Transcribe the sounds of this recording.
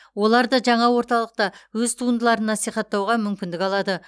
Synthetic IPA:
wo̞lˠɑɾd̪əʒɑɴɑwo̞ɾt̪ɑlˠəq̚t̪ɑwɵzt̪ʰuənd̪əlˠɑɾənːɑsijχɑt̪ːɑwʁɑmʏmkʲɪnd̪ɪkɑlˠɑd̪ə

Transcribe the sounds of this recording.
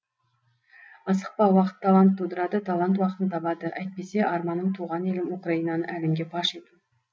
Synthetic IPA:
ɑsəq̚pɑwɑqə̥t̪ʰːalˠant̪ʰːud̪əɾɑd̪ət̪ʰalˠant̪̬wɑqət̪ənt̪ʰɑbɑd̪əʔæjt̪̚pe̞se̞ʔɑɾmɑnːəɴt̪ʰuʁɑnelɪmukraijnɑnəʔælemɡʲe̞bɑʃet̪ɪn

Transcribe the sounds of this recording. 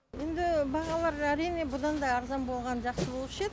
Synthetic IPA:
e̞nd̪ɪbɑʁɑlˠɑɾæɾijne̞bʊd̪ɑnd̪ɑːɾzɑnbo̞lˠʁɑnʒɑqsəbo̞lˠpʃed̪

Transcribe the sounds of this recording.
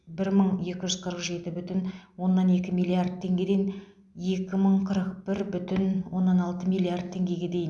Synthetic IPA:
bɪɾməɴje̞kʲɪʒʏz̥qʰəɾəqʒe̞t̪ɪbʏt̪ɪnwo̞nːɑne̞kʲɪmijlʲˠiard̪̚t̪ʰe̞ŋɡʲe̞d̪en | je̞kʲɪməɴqʰəɾəq̚bɪɾbʏt̪ɪnwo̞nːɑnɑlˠt̪əmijlˠiard̪̚t̪ʰːe̞ŋɡʲe̞ɡʲe̞d̪e̞jɪn

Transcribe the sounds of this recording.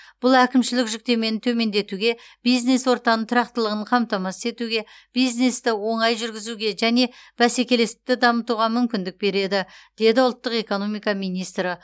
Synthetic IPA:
b̥ʊlˠækʲɪmʃɪlɪkʒʏk̚t̪e̞me̞nɪt̪ʰɵme̞nd̪e̞t̪uɡʲe̞b̥ijzne̞swo̞ɾt̪ɑnət̪ʰʊɾɑqt̪əlˠəʁəɴqʰɑmt̪ɑmɑse̞t̪uɡʲe̞ | b̥ijzne̞st̪ɪwo̞ɴɑjʒʏɾɡʲɪzuɡʲe̞ʒæne̞b̥æse̞kʲe̞le̞sɪ̥p̚t̪ɪd̪ɑmət̪uʁɑmʏmkʲɪnd̪ɪk̚be̞ɾe̞d̪ɪd̪̥e̞d̪ɪʊlˠt̪ːəqe̞ko̞no̞mijkɑmijnijst̪ɾə

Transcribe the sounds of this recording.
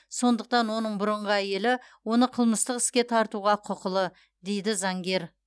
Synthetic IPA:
so̞nd̪əq̚t̪ɑnwo̞nəɴbʊɾəɴʁəæje̞lɪ | wo̞nəqʰəlˠməst̪əqɪ̥skʲe̞t̪ʰɑɾt̪uʁɑqʰʊqəlˠə | d̪e̞jd̪ɪzɑŋɡʲe̞ɾ

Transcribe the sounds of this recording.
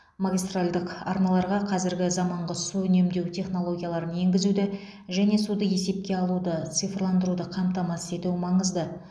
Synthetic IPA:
maɡʲijst̪ralʲd̪əqɑ̰ɾnɑlˠɑɾʁɑqʰɑzɪɾɡʲɪzɑmɑɴʁəsuʏne̞md̪e̞wt̪ʰe̞χno̞lˠo̞ɡʲijɑlˠɑɾənje̞ŋɡʲɪzud̪ɪ | ʒæne̞sud̪əje̞se̞p̚kʲe̞ɑlˠud̪ət̪sɨjfrlˠɑnd̪əɾud̪əqʰɑmt̪ɑmɑse̞t̪umɑɴəzd̪ə

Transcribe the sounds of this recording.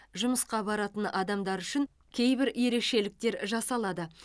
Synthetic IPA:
ʒʊməsqɑbɑɾɑt̪ənɑd̪ɑmd̪ɑɾʏʃɪŋ | kʲʰe̞jbɪɾje̞ɾe̞kʃe̞lɪk̚t̪e̞ɾʒɑsɑlˠɑd̪ə

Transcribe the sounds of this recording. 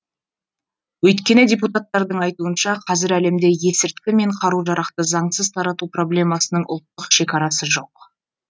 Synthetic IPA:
wɵjt̪kʲe̞nɪdʲe̞put̪at̪ːɑɾd̪əɴɑjt̪uənʃɑqʰɑzɪɾæle̞md̪e̞je̞sɪɾt̪kʲɪme̞ɴqʰɑɾuʒɑɾɑqt̪əzɑɴsəzt̪ʰɑɾɑt̪upro̞blʲe̞mɑsənəɴʔʊ̰lˠt̪ːəqʃe̞kʲɑɾɑsəʒo̞q

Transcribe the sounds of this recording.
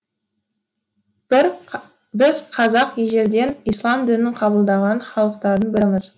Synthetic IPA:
bɪzqʰɑzɑqeʒe̞ɾd̪e̞nijslˠɑmd̪ɪnɪɴqʰɑbəlˠd̪ɑʁɑnχɑlˠəq̚t̪ɑɾənbɪɾɪməz

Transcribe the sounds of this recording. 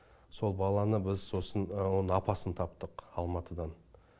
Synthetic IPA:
so̞lˠbɑlˠɑnəbɪzso̞sənwo̞nəɴɑpɑsənt̪ʰɑpt̪əqɑlˠmɑt̪əd̪ɑn

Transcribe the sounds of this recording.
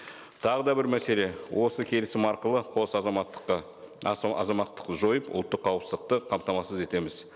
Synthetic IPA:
t̪ʰɑʁəd̪ɑbɪɾmæse̞le̞wʔo̞səkʲʰe̞lɪsɪmɑɾqəlˠəqʰo̞sɑzɑmɑt̪ːə̥qːɑ | ɑ̰zɑmɑt̪ːə̥qʒo̞jəpʊ̰lˠt̪ːəqʰːɑwəpsəzd̪əq̚t̪əqʰɑmt̪ɑmɑsəze̞t̪e̞mɪz̥

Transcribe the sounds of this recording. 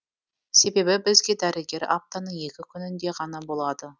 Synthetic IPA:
se̞be̞bɪbɪzɡʲe̞d̪æɾɪɡʲe̞ɾa̰p̚t̪anəɴje̞kʲɪkʲʰʏnɪnd̪e̞ʁɑnɑbo̞lˠɑd̪ə

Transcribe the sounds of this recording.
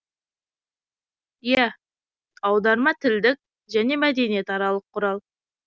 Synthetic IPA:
jæ | ɑwd̪ɑɾmɑt̪ʰɪld̪ɪk̚ | ʒæne̞mæd̪e̞nije̞t̪ɑɾɑlˠəqʰːʊɾɑlˠ

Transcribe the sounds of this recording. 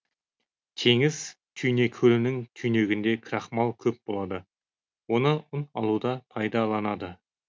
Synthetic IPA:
t̪ʰe̞ŋɪz̥ | t̪ʲʰyjne̞kʲʰɵlɪnɪŋt̪ʰyjne̞ɡʲɪnd̪e̞kʲʰɾɑχmɑlˠkʲʰɵp̚b̥o̞lˠɑd̪ə | wo̞nəʊnɑlˠud̪ɑpʰɑjd̪ɑlˠɑnɑd̪ə

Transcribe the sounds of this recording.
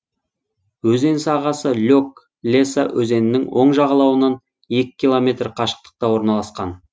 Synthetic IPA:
wɵze̞nsɑʁɑsəlʲok | lʲe̞sawʔɵze̞nɪnɪŋwʔo̞̰ɴʒɑʁɑlˠɑwənɑn | e̞kʲɪ̥kʲːilˠomʲe̞t̪rqʰɑʃə̥q̚t̪ə̥q̚t̪ɑwo̞ɾnɑlˠɑsqɑn

